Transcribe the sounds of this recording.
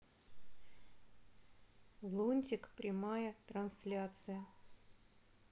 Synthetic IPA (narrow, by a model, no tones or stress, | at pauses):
lˠonʲtʲɪkpɾʲɪmajət̪ɾɐnslʲat̪sɨjə